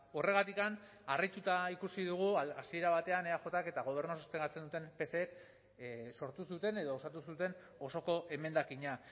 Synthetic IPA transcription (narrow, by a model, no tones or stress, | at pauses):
o̞re̞ɣ̞at̪ikan | arajt̪ut̪aikusiðuɣ̞uasie̞ɾaβat̪e̞ane̞axo̞t̪ake̞t̪aɣ̞o̞β̞e̞ɾnosost̪eŋɡat͡send̪ut̪e̞mpe̞seːk | so̞ɾt̪usut̪e̞ne̞ð̞o̞ːsat̪usut̪e̞n | o̞so̞ko̞ʔe̞me̞nd̪akiɲa